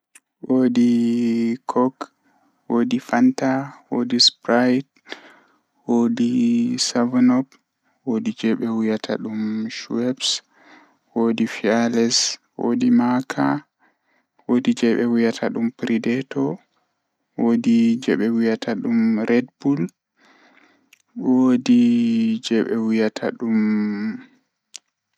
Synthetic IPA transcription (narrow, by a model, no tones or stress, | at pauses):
wodi | kʰɔk | woːdifantawo̰dispɾajt | wodisavnɔb | wodid͡ʒɛɓɛwujatʰa̰ɗumʃuwɛps | wodifialɛswo̰dimakʰa̰ | wodid͡ʒɛɓɛwujatʰaɗumpɾʔidɛtʰɔ | wodid͡ʒɛɓɛwujatʰaɗumɾʔɛdbul | wodid͡ʒɛɓɛwujatʰa̰ɗum